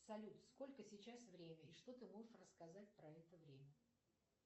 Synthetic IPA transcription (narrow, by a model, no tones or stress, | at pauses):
psɐlʲut̪sko̞lʲkəsʲɪt͡ɕasvɾʲemʲəɪʂt̪o̞t̪ɨmo̞ʐəʂrəskɐzatʲpɾɐɛt̪əvɾʲemʲə